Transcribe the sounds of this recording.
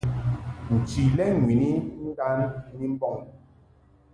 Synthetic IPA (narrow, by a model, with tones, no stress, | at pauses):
n̩˨ti˨lɛ˦˨ŋwi˨ni˦n̩˦da˦n˦ni˦m̩˦bɔ˦˨ŋ˦